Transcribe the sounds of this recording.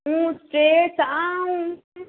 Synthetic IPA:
ũsʈɾeːsaũ

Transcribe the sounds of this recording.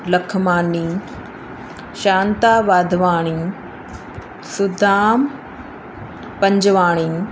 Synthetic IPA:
lɐkʰmaːniː | ʃaːnt̪aːʋaːd̪ʱʋaːɽ̃i | sʊd̪ʱaːm | pɐ̃ɲd͡ʑʋaːɽ̃iː

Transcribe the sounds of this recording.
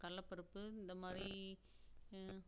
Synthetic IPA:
kɐlːɐpːɐɾɯpːɯɪnd̪ɐmaːd̪ɾi

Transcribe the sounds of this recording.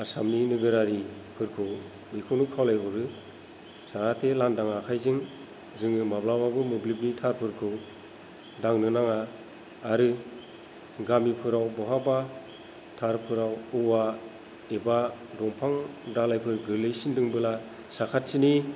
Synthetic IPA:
asa̰mninɯɡɯɾaɾi | pʰɯɾkʰɯw | mikʰɯwnukʰawlajbʰɯɾɯ | sakatʰelandaŋakʰajzɯŋ | zɯŋɯmablababɯmɯblibnitʰaɾpʰɯɾkʰɯw | daŋnɯnaŋaː | ɾɯ | ɡamipʰɯɾawbɔɦaba | tʰaɾpʰɯɾawɯwa | eba | dɔŋpʰaŋdalajpʰɯɾɡɯlɯjsindɯŋbɯla | sakʰat̚sini

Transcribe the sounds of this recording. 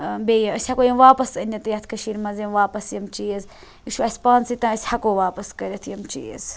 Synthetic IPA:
beːjɐəsʲɐkoːjɐmʋaːpɐsɐnʲɐt̪ɨjɐt̪ʰkɐʃiːɾʲmɐzjɐmʋaːpɐsjɐmt͡ʃijz | jiʃʰuɐsʲpãːnsit̪ãːɐsʲhɐkoːʋaːpɐskɐɾʲeɐt̪ʰjɐmt͡ʃḭːz

